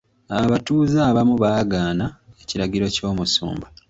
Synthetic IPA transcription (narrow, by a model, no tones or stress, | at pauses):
aβatuːzaːβamuβaːɡaːnaeciɾaɟiɾo̞co̞ːmusṵːmba